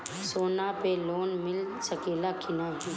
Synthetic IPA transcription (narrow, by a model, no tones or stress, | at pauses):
soːnapeloːnmɪl | səkeːlakʰɪnaɡiː